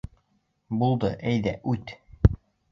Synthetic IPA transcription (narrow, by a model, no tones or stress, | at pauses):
bulˠd̪ɤʔæjðæʔʉt̪